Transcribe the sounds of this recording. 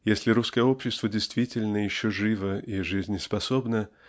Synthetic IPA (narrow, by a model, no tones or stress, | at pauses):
jesʲlʲɪɾuskəjəo̞pɕːɪst̪vədʲɪjst̪vʲitʲɪlʲnəjɪɕːoʐɨvəiʐɨzʲnʲɪspɐso̞bnə